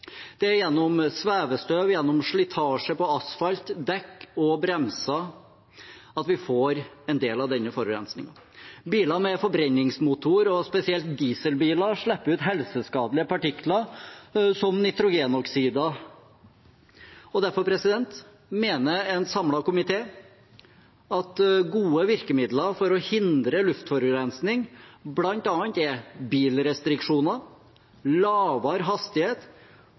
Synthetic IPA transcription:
d̪̥ɛæɾjɛnːɔmsʋæːʋəst̪øːʋjɛnːɔmʂɭɪt̪ʰɑːʂəpɔɑsfɑlt̪d̪ɛkːɔbɾɛmsɑ | ɑt̪ʋɪfoːɾɛnd̪eːlɑʋd̪ɛnːəfɔɾbəɾɛ̰nsnɪ̰ŋɑ | biːlɑmɛfɔɾbɾɛnːɪŋsmut̪ʊɾɔspɛsɪɛlt̪̚d̪iːsəlbiːlɑʂɭɛpːəʉːt̪ɦɛlsəskɑːd̪lɪəpɑʈɪklɑɾ | sɔmnɪt̪ɾʊɡeːnɔksiːd̪ɑ | ɔd̪æɾfɔpʰɾɛsɪd̪ɛnt̪ | meːnəɛnsɑmlɑkʊmɪt̪ʰeː | ɑt̪ɡuːəʋɪɾkəmɪd̪ləfɔɾɔhɪnd̪ɾəlʉft̪fɔɾɡɾɛnsnɪŋblɑnt̪ɑːnt̪ɛbiːlɾɛst̪ɾɪkʂuːnɑ | lɑːʋɑɾɦɑst̪ɪheːt̪

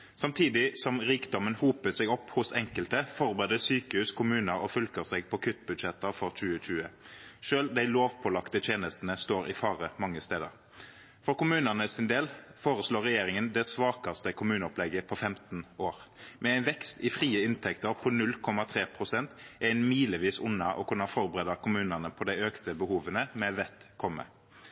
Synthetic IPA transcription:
sɑmt̪ʰiːd̪ɪsɔmʁiːkd̪ɔmənhuːpəsɛɡɔpːhʊsɛŋkəlt̪əfɔʁbeːd̪əsyːkəhʉːskʰʊmʉːnəɾɔfʉlkəʁsɛɡpʰɔkʰʏt̪ːbʉd̪ʃɛt̪ːəʁfɔʁc͡çʉːəc͡çʉːə | ʃøːld̪æɪloːʋpʰɔlɑkt̪ət̪ʰjeːnəst̪nəst̪oːɾɪ̰fɑːʁəmɑŋːəst̪eːd̪ə̰ʁ | fɔʁkʊmʉːnənəsɪnd̪eːlfoːɾəsloːʁːɛjeːɾɪŋənd̪ɛsʋɑːkɑst̪əkʰʊmʉːnəɔplɛɡːəpʰɔfɛmt̪n̩oːʁmʔɛæɪnʋɛkst̪ɪfʁiːəɪnt̪ʰɛkt̪əʁpʰɔnʉlkʰɔmɑt̪ʰʁeːpʰʁʊsɛnt̪ʔæɪnmiːləʋiːsʊnːɑʔɔ̰kʰʉnɑfɔʁbəʁeːd̪ɑkʰʊmʉːnənəpʰɔd̪æɪøːkt̪əbəhuːʋənəmɛʋɛt̪kʰɔmːə̰

